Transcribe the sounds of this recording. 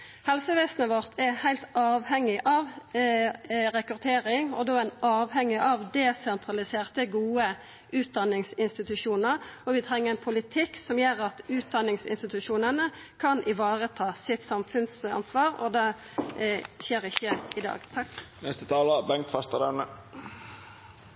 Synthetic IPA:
hɛlsəʋeːsnəʋɔʁt̪ʰɛhæɪlt̪ɑːʋhɛŋːɪʔɑʋ | ɾɛkʉʁt̪ʰeːɾɪŋɔ̰d̪oːɛnɑːʋhɛŋːɪʔɑʋd̪ɛsɛnt̪ʰʁɑlɪseːʁt̪əɡuːə | ʔʉːt̪̚d̪ɑnːɪŋsɪnst̪ɪt̪ʉʂuːnəʁɔʋɪt̪ʰʁɛŋːəɾɛnpʰʊlɪt̪ʰɪksɔmjøːɾɑt̪ʉːt̪̚d̪ɑnːɪŋsɪ̰nst̪ɪt̪ʉʂuːnənə | kʰɑnʔɪʋɑːʁət̪ʰɑːsɪt̪sɑmfʉnsɑ̰nsʋɑːʁɔ̰d̪ɛ | ɕeːɾɪçːəɪd̪ɑ̰ːɡt̪ʰɑkːnɛst̪ət̪ʰɑːlɑbɛŋt̪fɑst̪ɑd̪ɛnə

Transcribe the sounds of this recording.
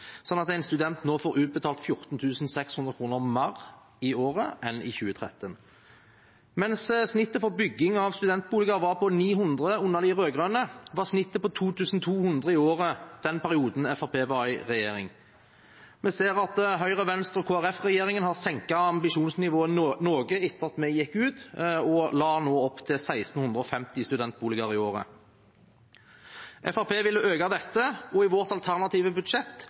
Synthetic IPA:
sɔnːɑt̪æɪnst̪ʉd̪ɛnt̪noːfoːʁɾʉːt̪̚bət̪ʰɑːlt̪fjʊʁt̪n̩t̪ʰʉːsn̩sɛkshʉnd̪ʁəkʰʁuːnəʁmɑʁ | ioːʁəʔɛnɪ̰çʉːət̪ʰʁɛt̪ən | mɛnssnɪt̪ːəfɔʁbʏɡːɪŋɑʋst̪ʉd̪ɛnt̪̚buːləɡɑʋɑʁpʰɔniːɦʊnd̪ʁəʊnːɑd̪ɪʁøːɡʁøːnəʋɑʁsnɪt̪ːəpɔt̪ʰuːt̪ʰʉːsn̩t̪ʰuːhʉnd̪ʁəɪoːʁəd̪̥ɛnpʰæʁɪuːd̪n̩ɛfɑpʰeːʋɑɪʁɛjeːɾɪ̰ŋ | mɛseːʁɑt̪ɦœʏʁəʋɛnst̪ʁɔkʰoːæʁɛfʁɛjeːʁɪŋənhɑːʁsɛŋkɑɑmbɪʃuːnsnɪʋoːənnoːɡəɪt̪ːəʁɑt̪mɛjɛkːʉːt̪ɔlɑːnoːɔpt̪ʰɪlsæɪst̪n̩hʉnd̪ʁɔfɛmt̪ɪst̪ʉd̪ɛnt̪̚buːlɪɡɑʁɪoːʁə̰ | ʔɛfæʁpeːʋɪlːəʔøːɡɑd̪ɛt̪ːəɔɪʋɔʁt̪ɑlt̪ʰæʁnɑt̪iːʋəbʉd̪ʂɛt̪ː

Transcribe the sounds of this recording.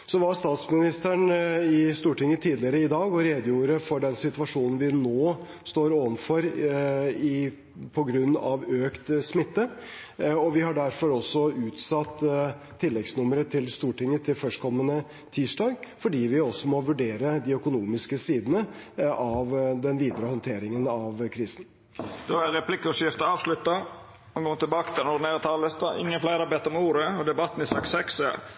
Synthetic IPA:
sɔʋɑst̪ɑːt̪smɪnɪst̪əɳɪst̪uːʈɪŋːət̪ʰiːd̪lɪəɾəɪd̪ɑːɡɔɾeːd̪juːɾəfɔɖɛnsɪt̪ʋɑʂuːnn̩ʋɪnoː | st̪oːɾoːʋənfɔɾ | ɪ | pʰɔɡɾʉnːɑ̰ʋøːkt̪smɪt̪ːə | ɔʋɪhɑɖæɾfɔɾɔsːɔʉːt̪sɑt̪ʰː | ɪlːɛɡsnʊməɾət̪ʰɪlst̪uːʈɪŋːət̪ʰɪlfœʂʈkʰɔmːənə | t̪ʰiːʂʈɑːɡfɔɖiːʋɪɔsːɔmɔʋʉɖeːɾəd̪ɪœkʊnuːmɪskəsiːd̪ənəɑʋd̪ɛnʋiːd̪əɾəhɔnt̪ʰeːɾɪŋənɑʋkʰɾiːsən̩ | d̪̥oæɾɛpʰlɪkʊʂɪft̪əɑːʋslʉt̪ːɑ | mɛɡɔmət̪ʰɪlbɑːkət̪ʰɪlnɔɖnæːɾət̪ʰɑːlləst̪ɑɪ̰ŋːənflæɪɾɑɾbɛt̪ːɔmuːɾəɔd̪ɛbɑt̪ːn̩ɪsɑksɛksɛ

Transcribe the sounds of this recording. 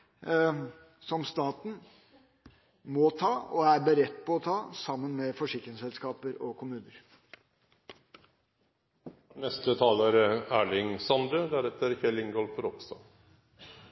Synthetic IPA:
sɔmst̪ɑːt̪n̩ | mɔt̪ʰɑːɔæɾbəɾɛt̪ːpɔɔt̪ʰɑːsɑmːənmɛfɔʂɪkɾɪŋsɛlskɑːpəɾɔkʰʊmʉːnəɾ | nɛst̪ət̪ʰɑːləɾəæːɭɪŋsɑnd̪ɾəd̪æɾɛt̪əɾhɛlɪŋɡɔlfɾɔkst̪ɑ̰

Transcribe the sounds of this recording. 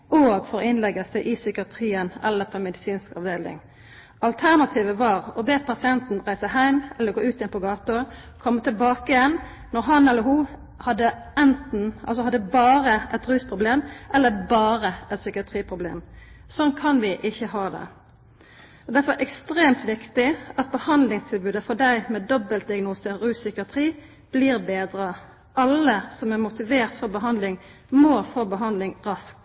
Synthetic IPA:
oːɡfɔɾɔɪnlɛɡəsæʔɪsʏkəɑt̪ʰɾiːənɛ̰lːəpʰɔmɛd̪ɪsiːnskɑʋd̪eːlɪ̰ŋ | ɑlt̪ʰæʁnɑt̪ʰiːʋəʋɑːɾɔbeːpʰɑsɪɛnt̪n̩ʁæɪsəhæɪmɛlːəɡoːʉːt̪ɪjɛnpʰɔɡɑːt̪ə | kʰɔmːət̪ʰɪlbɑːkəɪjɛn | nɔɾɦɑnɛlːəɾɦuː | hɑd̪ːəɛnt̪n̩ʔɑ̰lsɔhɑd̪ːəbɑːʁəʔɛt̪ʁʉːspʰʁʊbleːmʔɛlːəbɑːɾəɛt̪sʏkəɑt̪ʰɾiːpʰʁʊblḛːmsɔnkʰɑnʋɪʔɪçːəhɑːd̪ɛ̰ | ɔd̪æɾfɔʔɛkst̪ɾeːmt̪ʋɪkt̪ɪɑt̪̚bəhɑnd̪lɪŋst̪ʰɪlbʉːd̪əfɔɖ̪æɪmɛd̪ɔbəlt̪̚d̪ɪɑɡnuːsəɾʉːsʏkəɑt̪ʰɾiː | b̥liːʁbeːd̪ɾə | ɑləsɔmæʁmʊt̪ɪʋeːʁt̪fɔɾbəɦɑnd̪lɪŋ | moːfoːbəɦɑnd̪lɪŋʁɑsk̚t̪

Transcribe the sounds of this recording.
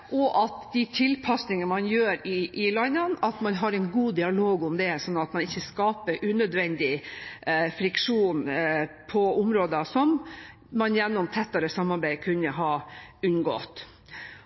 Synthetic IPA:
ʔɔʔɑt̪d̪it̪ʰɪlpʰɑsnɪŋəmɑnjøːɾɪʔɪlɑnːənɑt̪mɑnɦɑɾɛɪnɡuːd̪ɪɑloːɡʊmd̪ɛsɔnːɑt̪mɑnɪçːəskɑːpəɾʔʉːnød̪ʋɛnd̪ɪ | fɾɪkʂuːnpʰɔʊmɾoːd̪ɑsɔmː | ɑnjɛnːʊmt̪ʰɛt̪ːɑɾəsɑmːɑɾbæɪkʰʉnːəɦɑɾʉnɡɔ̰t̪

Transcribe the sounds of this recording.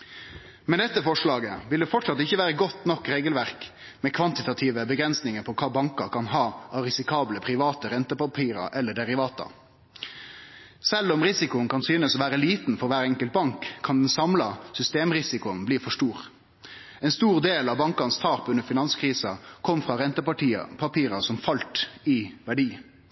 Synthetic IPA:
mɛnd̪ɛt̪ːəfɔʂɭɑːɡəʋɪld̪ɛfɔʈʂɑt̪ɪçːəʋæːɾəɡɔt̪ːnɔkːɾeːɡəlʋæʁk | mɛkʰʋɑnt̪ɪt̪ɑt̪ʰiːʋəbəɡɾɛnsnɪŋəɾpʰɔkʰɑːbɑŋkɑkʰɑnɦɑːɑɾɪsɪkʰɑːbləpʰɾɪʋɑːt̪əɾɛnt̪əpɑpʰiːɾɑ̰ʔɛlːəɖɛɾɪʋɑːt̪ɑ̰ | sɛlːɔmɾɪsɪkʊənkɑnsyːnəsɔʋæːɾəliːt̪n̩fɔɾʋæːɾɛŋkəlt̪̚bɑŋkʰːɑnd̪ɛnsɑmlɑsʏst̪eːmʁɪsɪkʊnbliːfɔʂʈuːʁ | ɛnst̪uːʁd̪eːlɑbɑŋkɑnst̪ʰɑːpʉnːəfɪnɑnskʰɾiːsɑkʰɔmːfʁɑɾɛnt̪əpɑʈiːɑ̰pʰɑpʰiːɾɑsɔmfɑlt̪ɪʋæɖiː

